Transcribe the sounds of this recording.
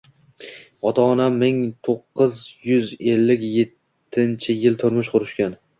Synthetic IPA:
ɒt̪ʰaːnamːɪŋt̪ʰoqːɨzjʊze̞lːɪkʲje̞t̪ʰːɪnt͡ʃʰɪjɪlt̪ʰʊɾmɪʃqʰʊɾɪʃkʲan

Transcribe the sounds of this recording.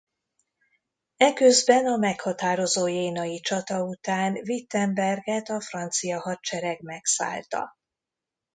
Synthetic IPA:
ɛkøzbɛnɒmɛkhɒt̪aːɾo̞zoːjeːnɒjit͡ʃɒt̪ɒut̪aːnvit̪ːɛmbɛrɡɛt̪ɒfrɒnt̪sijɒɦɒt̪t͡ʃɛɾɛɡmɛksa̰ːlt̪ɒ̰

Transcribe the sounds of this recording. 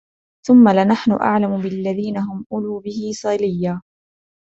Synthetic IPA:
θʊmːalɪnaħnʊ̰ʔa̰ʕlamʊbɪlːaðiːnaɦʊmʔʊluːbɪhɪsˤɑlɪjːaː

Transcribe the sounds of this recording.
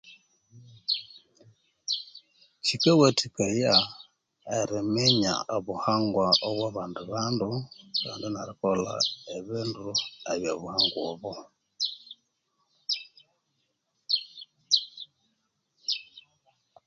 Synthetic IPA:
t͡ʃikewetʰikeja | eɾimeɲa̰ʔoβuhaŋɡwaoβwaβaːnduβanduka̰ːndinaɾikola̰eβinduaβjoβuhaŋɡwoβo

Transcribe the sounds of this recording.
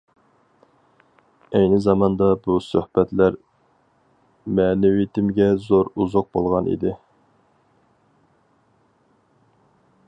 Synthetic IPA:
ɛjnɪzɑmɑnd̪ɑbusøhbɛt̪læɾ | mɛːnɪwit̪ʰɪmɡʲɛzoɾuzʊq̚bolˠʁɑnʔḭd̪ɪ

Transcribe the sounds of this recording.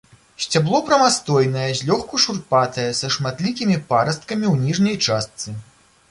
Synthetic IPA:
sʲt͡sʲablˠɔpɾɐmast̪ɔjnɐjɛzʲlʲɔxkuʂurpat̪ɐjɛsɐʂmat̪lʲikʲimʲipaɾɐst̪̚kɐmʲiwnʲiʐnʲɐjt͡ʂast̪sɨ

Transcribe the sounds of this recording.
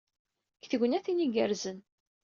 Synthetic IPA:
kθəɡnæθiniɡəɾzən

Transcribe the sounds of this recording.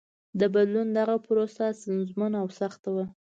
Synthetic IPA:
d̪əbad̪lund̪aɣapəɾosasanzmanawsaxt̪awə

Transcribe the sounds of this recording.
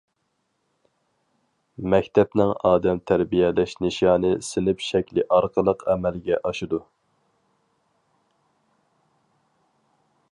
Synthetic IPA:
mɛkʲt̪ʰɛpnɪŋɑːd̪ɛmt̪ʰæɾbijɛlɛʃnɨʃɑːnɨsɪnɪpʃɛkʲlɪʔɑɾqəlˠəqɛmɛlɡʲɛʔɑʃɨd̪u

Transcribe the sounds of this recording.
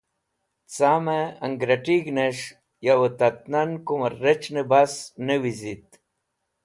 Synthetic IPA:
t͡saːmeɐŋɡɾɐʈiɡneʂ | jawot̪ɐt̪̚nɐnkumɐet͡ʃnebasnewizit̪

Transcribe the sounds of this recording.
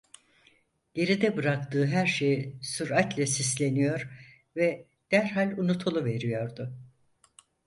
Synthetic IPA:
ɟ̥e̞ɾid̪ɛbɯɾak̚t̪ɯːɦæɾʃe̞jisuɾat̪lʲɛsislʲe̞nijo̞ɾ | vɛ | d̪̥æɾɦalʲunut̪ʰulˠuve̞ɾijo̞ɾd̪ʊ

